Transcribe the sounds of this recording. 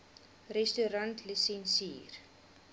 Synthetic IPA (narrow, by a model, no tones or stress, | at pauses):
rɛstuɾɐntlisɛnsiːr